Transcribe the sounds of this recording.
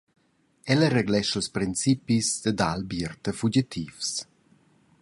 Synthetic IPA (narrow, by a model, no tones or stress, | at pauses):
ɛləreɡlɛʃəlspɾint͡sipisd̪əd̪albirt̪əfud͡ʒit̪ʰiːfs